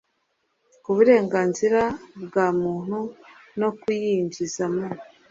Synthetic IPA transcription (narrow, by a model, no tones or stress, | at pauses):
kuβuɾe̞ːŋɡaːnziɾabɡaːmuːn̥hu | no̞kijiɲɟizamo